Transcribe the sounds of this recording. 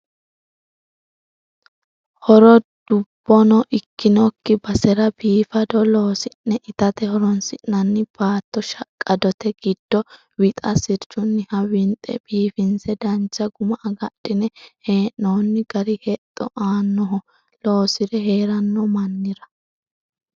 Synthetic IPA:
hɔɾɔd̪̥ʊb̥ːɔnɔʔɪkːɪnɔkːɪbɐsɛɾɐbiːfɐd̪ɔloːsɪnːɛʔɪt̪ɐt̪ɛhɔɾɔnsɪnːɐnːɪb̥aːt̪ːɔʃɐkʼːɐd̪ɔt̪ɛɡ̥ɪd̪̥ːɔ | wɪt̪ʼɐsɪɾt͡ʃːʊnːɪhɐwɪnt̪ʼɛ̰b̥iːfɪnsɛd̪ɐnt͡ʃːɐɡʊmɐʔɐɡɐɗːɪnɛheːʔonːɪɡ̥ɐɾɪhɛt̪ʼːɔ̰ʔaːnːɔɦɔ | loːsɪɾɛheːɾɐnːɔmɐnːɪɾɐ

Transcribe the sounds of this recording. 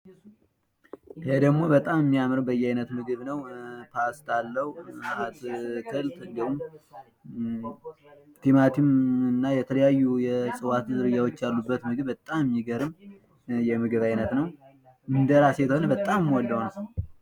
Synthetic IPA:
hed̪əɡmo̞bət̪ʼamɨmːijamɨɾəbəjːajnət̪mɨɡɨβnəwpʰast̪alːəhuat̪t̪ʰəlt̪ɨnd̪əhum | t̪ʰemat̪ʰimɨnːajɛt̪ʰələjajːujɛsʼɨwat̪zɨɾɨjawɔt͡ʃːjalːubːət̪mɨɡɨβbət̪ʼamɪmːiɡəɾɨm | jɛmɨɡɨβajnət̪nəw | ʔɨnd̪əɾasjɛt̪əho̞nəbət̪ʼːammːwɔlːawnəw

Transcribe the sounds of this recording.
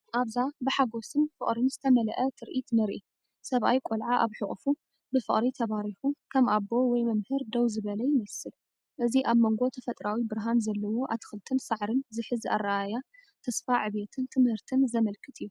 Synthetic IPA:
ʔaβzabɨħaɡo̞sɨnfɨχʼɾɨnzɨt̪ʰɐmɐlɐ̰ʔɐt̪ʰɨɾʔit̪nɨɾʔi | sɐβʔajkʷʼolʕaʔaβħɨχʼfu | bɨfɨχʼɾit̪ʰɐβaɾiħukʰɐmʔabːo̞wɔjmɐmhɨɾd̪ɐwzɨβɐlɐjɪmɐsɨl | ʔɨziʔaβmoŋɡo̞t̪ʰɐfɐt̪ʼɾawibɨɾɦanzɐlːɐwo̞ʔat̪ʰɨ̥xɨlt̪ʰɨnsaʕɾɨnzɨħɨza̰rːaʔajat̪ʰɐsfaʕɨβet̪ʰɨnt̪ʰɨmhɨɾt̪ʰɨnzɐmɐlkʰɨt̪ʰɨjːu

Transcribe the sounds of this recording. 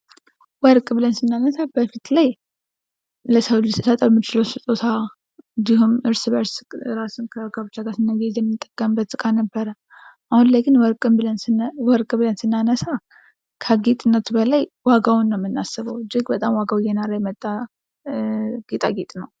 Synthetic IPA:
wɔɾkʼbɨlənsɨnːanəsabəfit̪laj | ləsəwlisɨsət̪ʼəwmːit͡ʃɪləwsɨt̪ʼot̪ʰa | ɨnd̪ihumɨɾsɨβəɾsɾasunkʰəkʰəbɨt͡ʃːaɡasɨnːəɡezɛmːit̪ʼːəɡʼːəmbət̪sʼɨkʼanəbːəɾə | ʔahunlajɡɨnwɔɾkʼɨblənwɔɾkʼbɨlənsɨnːanəsa | kʰəɡit̪ʼɨnːət̪bəlajwaɡawʊnːəwmːɨnːasːɨβəwɨd͡ʒɪɡbət̪ʼamwaɡawjɛnaɾajɛmət̪ʼːa | ɡ̥et̪ʼa̰ɡet̪ʼnəw

